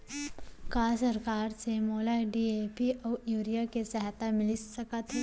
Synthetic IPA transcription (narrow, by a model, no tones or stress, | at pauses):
kaːsɐɾkaːɾsemoːlaːɖiepiɔːjuːɾijakesɛɦt̪amɪlɪsɐkat̪ɦɛ